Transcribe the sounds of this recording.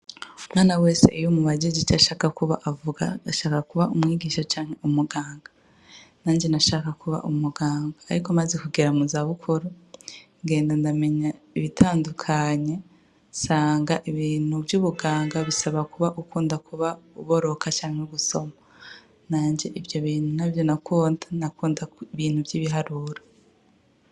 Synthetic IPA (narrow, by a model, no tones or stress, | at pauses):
umŋaːnawe̞ːse̞̰ʔijomuβaɟeɟit͡ʃaʃaːkakuβa̰ʔavuɡaːʃaːkakuβaʔumŋiːɡiːʃat͡ʃaːŋ̥e̞ʔumuɡaːŋɡa | naːɲd͡ʒe̞naʃaːkakuβa̰ʔumuɡaːŋɡaːɾikomazekuɡeɾamuzaβukʰuɾu | ŋɡe̞ːndandame̞ɲa | iβitʰaːndukʰaɲe̞ | saːŋɡaʔiβiːn̥ubjuːβuɡaːŋɡaβisaβakuβaʔukuːndakʰuβauβoɾo̞kʰat͡ʃaːŋheɡuso̞ma | naːɲd͡ʒe̞ʔivjo̞βiːn̥hunavjo̞nakuːndanakuːndaiβiːn̥huvjiːβiɦaɾuɾḁ